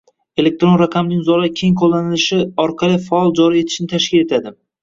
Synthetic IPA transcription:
e̞le̞k̚t̪ɾo̞nɾaqʰɑmnɪŋʲzɒɾakʲʰejŋqʰolˠːanɪlɪʃɪɒɾqʰɑlˠɪfaɒlˠd͡ʒɒɾie̞t̪ʰɪ̥ʃɪnɪt̪ʰaʃkʲɪle̞t̪ʰad̪ɪ

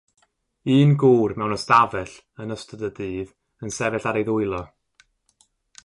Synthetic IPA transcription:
ɨːnɡuːrmɛwnɔstavɛɬ | ənəstədədiːð | ənsɛvɛɬaɾejðʊɨlˠɔ

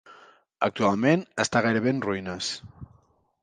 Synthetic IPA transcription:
ə̰k̚t̪ualˠmẽnəst̪aɣajɾəβenruinəs

